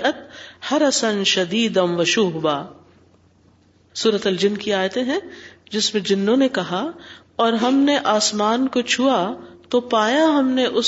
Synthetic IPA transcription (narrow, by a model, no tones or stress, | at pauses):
ɐt̪̚hɐɾɐsɐ̃nʃɐd̪iːd̪ɐ̃nʋɐʃuːɦbaː | suːɾət̪ɐld͡ʒɪnkiaːjt̪ẽɦɛ̃d͡ʒɪsmẽd͡ʒɪnːõnekɐɦa | ɔːɾɦɐmneʔaːsmaːnkot͡ʃʰuat̪opaːjaɦɐmneʔʊs